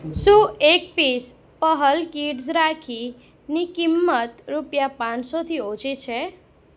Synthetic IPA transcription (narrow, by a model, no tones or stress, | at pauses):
sũek̚pis | pəɦəlkiʈsɾakʰi | nikimːət̪ɾupjapãnsot̪ʰiot͡ʃet͡ʃʰe